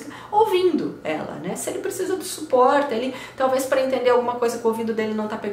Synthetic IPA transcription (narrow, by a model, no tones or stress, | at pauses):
kɐ | owvĩnd̪ʊɛ̰lɐ̰nɛsɪelɪpɾesizɐd̪ʊsupɔɾt̪ɪelɪt̪awvespɾɐẽt̪̬ẽnd̪eɾawɡũmɐkojzɐkɪowvĩd̪ʊd̪elɪnɐ̃w̃t̪apeɡ